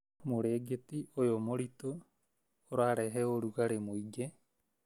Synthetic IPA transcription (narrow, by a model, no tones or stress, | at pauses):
moɾeɡet̪iʔojomoɾit̪oː | ɾaɾeɦeoɾuɡaɾemoiɡe